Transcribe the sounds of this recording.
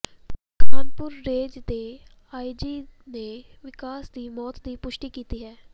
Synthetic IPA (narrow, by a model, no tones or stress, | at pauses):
kaːnpʊɾːeːd͡ʒd̪e | aːid͡ʒiːneʋɪkaːsd̪iːmɔːt̪d̪iːpʊʃʈiːkiːt̪iːɦɛː